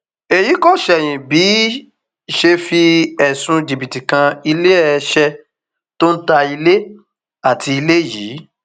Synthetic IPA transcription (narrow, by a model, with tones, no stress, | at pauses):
e˨ji˨˦kɔ˦˨ʃɛ˨j̃ĩ˨bi˨˦ | ʃe˧fi˧ɛ˨sũ˧di˨bi˨ti˨kã˧i˧le˦ɛ˦˧ʃɛ˧ | to˦n̩˦ta˧i˧le˦ | a˦˨tʰi˧i˧le˦jiː˨˦